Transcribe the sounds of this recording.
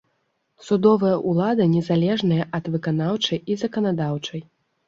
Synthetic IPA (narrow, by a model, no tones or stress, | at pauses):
sud̪ɔvɐjɐʔulˠad̪ɐnʲɛzalʲɛʐnɐjɐʔɐd̪vɨkanawt͡ʂɐjizɐkɐnad̪awt͡ʂɐj